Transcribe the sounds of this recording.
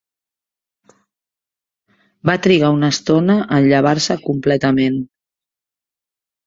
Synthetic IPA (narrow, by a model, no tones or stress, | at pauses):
bat̪ɾiɣ̞aunəst̪onəʔəʎəβ̞aɾsəkumplɛt̪əmen